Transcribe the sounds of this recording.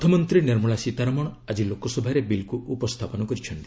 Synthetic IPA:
t̪ʰɔmɔnt̪ɾiniɾmuɭasit̪aɾɔmɔɽ̃ɔad͡ʒilokɔsɔbʱaɾebilkuʔupɔst̪ʰapɔnɔkɔɾit͡ʃʰɔnt̪i

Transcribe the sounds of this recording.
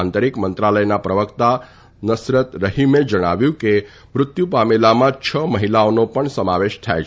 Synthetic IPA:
ant̪əɾikmənt̪ɾaləjnapɾəʋəkt̪a | nəsɾət̪ɾəɦimed͡ʒəɽ̃aʋjũke | mɾʊt̪jupamelamãt͡ʃʰəməɦilaonopəɳsəmaʋeʃt̪ʰa̰j

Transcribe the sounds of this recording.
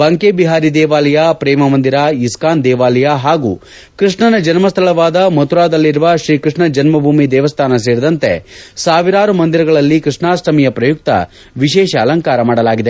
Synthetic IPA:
bɐŋkeːbiɦaːɾid̪ɛːʋaːlɐjapɾɛːmɐmɐnd̪iɾaiskaːnd̪ɛːʋaːlɐjaɦaːɡuː | kɾɨʂɳɐnɐd͡ʒɐnmɐst̪ʰɐɭɐʋaːd̪ɐmot̪uɾaːd̪ɐlːiɾuʋɐʃɾiːkɾɨʂɳɐd͡ʒɐnmɐbʱuːmid̪ɛːʋɐst̪ʰaːnɐs̬eːɾid̪ɐnt̪esaːʋiɾaːɾumɐnd̪iɾɐɡɐɭɐlːikɾɨʂɳaːsʈɐmijɐpɾɐjuk̚t̪ɐ̰ | ʋiʃɛːʃɐːlɐŋkaːɾɐmaːɽɐlaːɡid̪e

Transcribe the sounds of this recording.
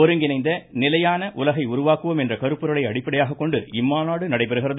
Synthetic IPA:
ɔɾɯŋɡɪnɐɪnd̪ɐnɪlɐjaːnɐʔʊlɐɣɐɪʊɾʊʋaːkːɯʋɐmɛndrɐkɐɾɯpːɯɾɐɭɐɪɐɽɪpːɐɽɐjaːɣɐkːɔɳɖɯɪmːaːnaːɽɯnɐɽɐɪpɐɾɯɣɪrɐð

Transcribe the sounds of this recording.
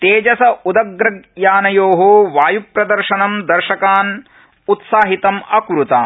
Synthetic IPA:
t̪eːd͡ʒɐsɐʔud̪ɐɡɾɐɡjaːnɐjoːɦuʋaːjupɾɐd̪ɐɾʃɐnɐmd̪ɐɾʃɐkaːn | ut̪saːɦit̪ɐmɐkɾut̪a̰ː

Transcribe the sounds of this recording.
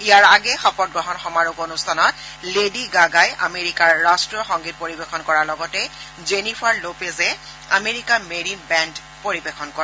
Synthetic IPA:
ijaɹaɡɛxɔpɔt̚ɡɹɔɦɔnxɔmaɹukonustʰanɔt | lediɡaɡaja̰meɹikaɹːastɹɔxɔŋɡit̚poɹibexɔnkɔɹaɹlɔɡɔtɛ | zenipʰaɹlopezɛ | a̰meɹikameɹinbɛnd | poɹibexʰɔnkɔɹɛ

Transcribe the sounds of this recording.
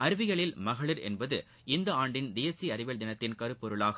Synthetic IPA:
ɐɾɯʋɪɣɐɭɪlmɐɣɐɭɪɾɛ̰nbɐðɯ | ɪnd̪ɐaːɳɖɪnd̪eːɐsiɐɾɪʋɐld̪ɪnɐt̪ːɪnkɐɾɯpɔɾɯɭaːɣɐ

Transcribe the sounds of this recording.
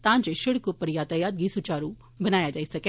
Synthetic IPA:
t̪ãːɲd͡ʒeʃɪɽkupɐɾjaːt̪ajaːd̪̚ɡisut͡ʃaːɾũ | bɐnaːjad͡ʒaːisɐke

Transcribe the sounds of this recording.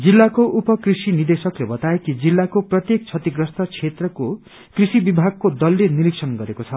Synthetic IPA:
d͡zilːakoʔupʌkrisinird̪esʌklebʌt̪aekid͡zilːakoprʌt̪jek̚t͡sʰʌt̪iɡrʌst̪ʌt͡sʰet̪rʌko | krisibibʱaɡ̚kod̪ʌlːeniɾiksʰʌnɡʌɾekot͡sʰʌ

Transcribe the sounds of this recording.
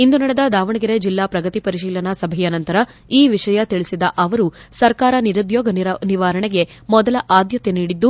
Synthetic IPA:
ind̪unɐɽed̪ɐd̪aːʋɐɳɐɡiɾed͡ʒilːaːpɾɐɡɐt̪ipɐɾiʃiːlɐnɐsɐbʱɛjɐnɐnt̪ɐɾɐ | iːʋiʂɐjɐt̪iɭisid̪ɐʔɐʋɐɾusɐɾkaːɾɐniɾud̪jɔːɡɐniʋaːɾɐɳeɡe̞mɔd̪ɐlɐʔaːd̪jɐt̪eniːɽid̪ːu

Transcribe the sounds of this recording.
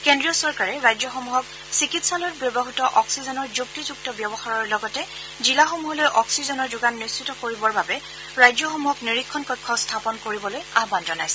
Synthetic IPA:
kendɹijɔsɔɹkaɹɛɹajd͡ʒɔxɔmuɦɔk̚ | sikitsalɔt̚bjɔbɔɦutɔʔɔksizɔnɔɹzuk̚tizuk̚tɔbjɔbɔxaɹɔɹlɔɡɔtɛ | zilaxomuɦɔlojʔɔksizɔnɔɹzʊɡanːisitɔkoɹibɔɹbabɛ | ɹajzjɔxɔmuɦɔkniɹikʰːɔnkɔjkʰːɔstʰapɔnkoɹibɔlojaɦbanzɔnajsɛ

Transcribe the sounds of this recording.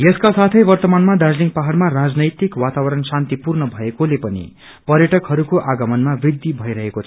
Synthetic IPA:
jʌskasat̪ʰʌjbʌrt̪ʌmanmad̪ad͡zliŋk̚paɦaɽmarad͡znʌjt̪ikwat̪abʌɾʌnsant̪ipurnʌbʱʌekolepʌnḭ | pʌrjʌʈʌkɦʌɾukoʔaɡʌmʌnmabid̪ʱːibʱʌiɾʌɦekot͡sʰ

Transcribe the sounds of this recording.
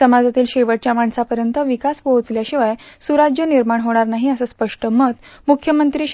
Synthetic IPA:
səmad͡zat̪iːlɕeʋəʈ̚t͡ɕjamaɳsapəɾjənt̪əʋikaspot͡sljaɕiʋajsuɾad͡ʑjəniɾmaɳɦoɽ̃aɾnaɦiəsəːspəʂʈəmət̪mukʰjəmənt̪ɾiɕ

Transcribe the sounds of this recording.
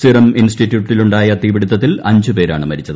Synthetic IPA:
siɾɐminsʈitːjuːʈːiluɳɖaːjɐt̪iːʋiɽut̪ːɐt̪ːilɐɲd͡ʑupe̞ːɾa̰ːɳɨmɐɾit͡ɕːɐðɨ

